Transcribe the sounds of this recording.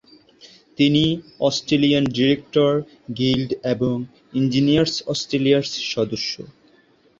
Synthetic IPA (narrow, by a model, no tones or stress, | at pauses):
t̪iniɔsʈɾelianɖiɾek̚ʈoɾ | ɡilɖeboŋ | ind͡ʑinijaɾsɔsʈɾeliaɾsʃɔd̪oʃːo̰